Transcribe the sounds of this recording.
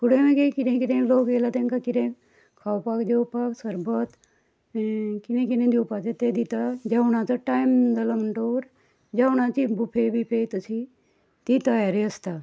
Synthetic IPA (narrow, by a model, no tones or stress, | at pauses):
kuɽ̤ẽmeɡekiʈẽkiʈ̪ẽlokɡelat̪ẽŋkakiʈẽ | kʰawpakd̪ewpaksəɾbət̪ | kinẽkinẽd̪iwpat͡set̪ed̪it̪ad͡ʑawɽ̃ãt͡saʈajmd͡z̪alam̤əɳʈoʋəɾ | d͡ʑawɽ̃ãt͡ɕibupʰebʱipet̪əsi | t̪it̪əjaɾiəst̪a